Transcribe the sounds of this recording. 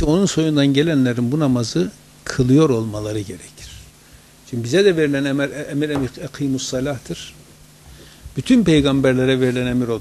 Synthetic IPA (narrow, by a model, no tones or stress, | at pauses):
io̞nunso̞jund̪anɟelʲænlʲeɾinbunamazɯ | kʰɯlˠɯjo̞ɾo̞lˠmalˠaɾɯɟeɾɛcʰi̥ɾ̥ | t͡ʃʰynbizɛd̪ɛveɾilʲænɛmɾmiɾemiɛqʰijmusːalʲaht̪ʰɯɾ̥ | b̥yt̪ʰynpʰe̞jɡambæɾlʲeɾɛveɾilʲænemiɾo